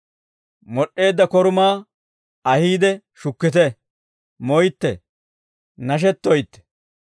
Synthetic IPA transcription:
mɔɗːe̞ːd̪ːɐkɔɾʊmaː | ɐhiːd̪ɛ | ʃʊkːɪt̪̬ɛ | mɔjt̪ːɛ̰ | nɐʃ̬ɛt̪ːɔjt̪ːɛ̥

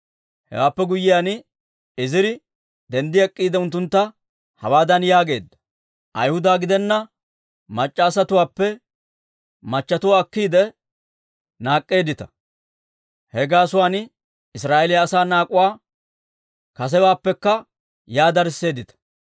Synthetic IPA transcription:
hɛ̰waːpːɛɡʊjːɪjaːn | ɪzɪɾɪ | d̪ɛnd̪ɪɐkʼːiːd̪ɛʊnt̪ːʊnt̪ːɐ | hɐwaːd̪ɐnjaːɡe̞ːd̪ːɐ̥ | ʔɐjhʊd̪aːɡɪd̪ɛnːɐ | mɐt͡ʃʼːaːsɐt̪ʊwaːpːɛ | mɐt͡ʃːɐt̪ʊwaːkːiːd̪ɛ | naːkʼːe̞ːd̪ɪt̪ɐ | hɛɡaːsʊwaːn | ɪsɾaːʔɛlɪjːsaːnaːkʼʊwaː | kɐs̬ɛwaːpːɛkːɐ | jaːd̪ɐɾsːe̞ːd̪ɪt̪ɐ̥

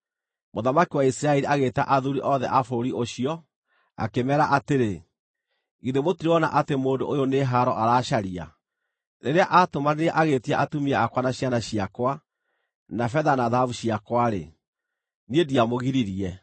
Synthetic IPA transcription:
moðamakiwaisɾaɛɾiaɣeta̰ʔaðuɾiʔɔðɛʔafoɾiʔoɕiɔ | a̰kemɛɾaʔateɾe | ɣiðemotiɾeɔna̰ʔatemoːndo̰ʔojoneɦaɾɔʔaɾaːʃaɾia̰ | neɾeaʔatomaneaʔaɣetiaʔatumiɛakwanaɕjanaɕiakwa | nafɛðanaðavuɕiakwaɾḛ | niediamoɣiɾiɾiɛ

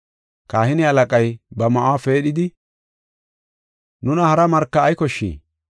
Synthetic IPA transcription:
kaːhɪnɪɐlɐkʼɐjbɐmɐʔwafe̞ːɗɪd̪ɪ | nʊnɐhɐɾɐmɐɾkːɐːjkɔʃːḭː

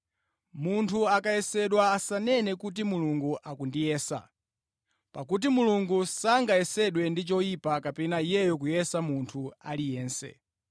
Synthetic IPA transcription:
muntʰuakajɛsɛɗwaːsanɛnɛkut̬imuluŋɡuʔakundijɛːsa̰ | pakut̬imuluŋɡusaŋɡajɛsɛɗwɛndit͡ʃɔipakapɛnaijɛjɔk̬ujɛsamuntʰualijɛːnsɛ̰

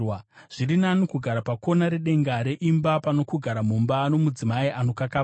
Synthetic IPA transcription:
wʐ̥iɾinanokuɡʱaɾapako̞naɾe̞ɗe̞ŋɡaɾe̞ʔimbapano̞kuɡʱaɾamumbano̞mud͡zimaiʔano̞kaka

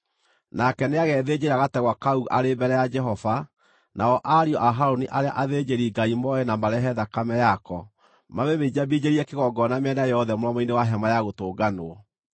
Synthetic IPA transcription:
nakɛneaɣɛðed͡ʑeɾaɣatɛɣwakauʔaɾebɛɾɛjad͡ʒɛɦɔva | naɔʔaɾiɔʔaɦaɾoniʔaɾea̰ʔaðed͡ʑeɾiɡaimɔɛnamaɾɛɦɛðakamɛjakɔ | maβemeid͡ʑabid͡ʑeɾiɛkeɣɔɡɔnameɛnajɛɔðɛmoɾɔmɔinewaɦɛmajaɣotoːɡanoɔ

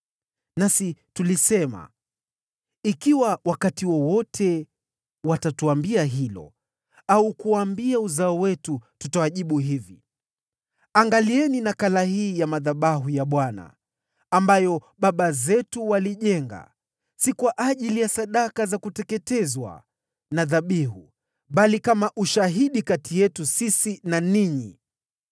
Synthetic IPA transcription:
nasitulisɛma̰ | ikiwawakatiwɔwɔtʰɛ | watatuambiaɦilɔ̰ | aukuwambiauzaɔwɛtututawaʄiɓuɦivḭ | aŋɡaliɛninakalahiːjamaðaɓaɦujaɓwana̰ː | mbajɔɓaɓazɛtuwaliʄɛŋɡa̰ | sikwaʔaʄilijasaɗakazakutɛkɛtɛzwa̰ | naðaɓiɦu | ɓalikamaʔuʃaɦiɗikatʰijɛtusisinaniɲi

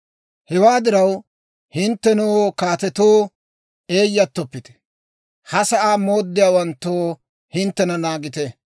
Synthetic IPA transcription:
hɛwaːd̪ɪɾɐw | hɪnt̪ːɛnuokaːt̪ɛt̪oː | e̞ːjːɐt̪ːɔpːɪt̪ɛ̥ | hɐsɐʔaːmo̞ːd̪ːɪjaːwɐnt̪ːoː | hɪnt̪ːɛnɐnaːɡɪt̪ɛ

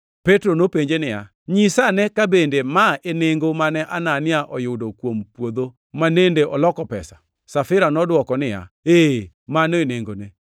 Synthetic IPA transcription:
petɾonopeɲd͡ʒenɪja̰ | ɲɪsanɛkabendemaeneŋɡomanɛʔananɪaʔɔjʊdokwompwod̪o | manendeʔɔlɔkɔpɛsḁ | safɪɾanɔdwɔkɔnɪja̰e | manoeneŋɡone

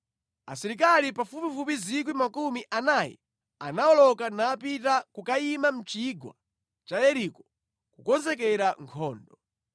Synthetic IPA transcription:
a̰siɾikalipafupifupizik̬wimakumiʔanajɛ̰ | anawɔlɔkanaːpitakukaimam̩t͡ʃiɡwa̰ | t͡ʃajɛɾikɔ̥ | kukɔnzɛk̬ɛɾaŋkʰɔːndɔ

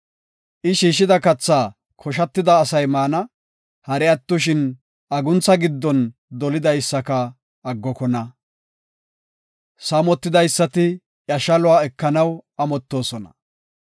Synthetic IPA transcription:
ʔɪʃiːʃɪd̪ɐkɐt͡sːaː | kʰɔʃ̬ɐt̪ːɪd̪ɐːsɐjmaːnɐ | hɐɾɛɐt̪ːʊʃ̬ɪn | ɐɡʊnt͡sːɐɡɪd̪ːɔnd̪ɔlɪd̪ɐjsːɐkɐː | ɡːɔkɔnɐ | saːmɔt̪ːɪd̪ɐjsːɐt̪ɪ | jɐʃɐlʊaːɛkːɐnɐwɐmɔt̪ːo̞ːsɔnɐ̰

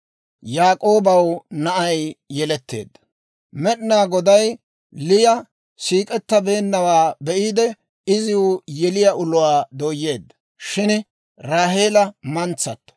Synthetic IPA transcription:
jaːkʼo̞ːbɐwnɐʔɐjjɛlɛt̪ːḛːd̪ːɐ̥ | mɛɗɪnaːɡɔd̪ɐj | lɪjɐ | siːkʼɛt̪ːɐbe̞ːnːɐwaːbɛʔiːd̪ɛ | ɪzɪwʊjɛlɪjɐʔʊlʊwaːd̪oːjːe̞ːd̪ːɐ̥ | ʃɪn | ɾaːɦeːlɐmɐnt͡sːɐt̪ːɔ̥

